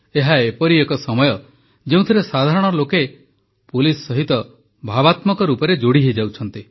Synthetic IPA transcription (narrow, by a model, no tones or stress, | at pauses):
eɦaepɔɾiekɔsɔmɔjɔ | d͡ʒeũt̪ʰiɾesad̪ʱaɾɔɽ̃ɔloke | pulisɔːɔɦit̪ɔ | bʱabat̪mɔkɔɾupɔɾed͡ʒoɽiɦed͡ʒawt͡ʃʰɔnt̪i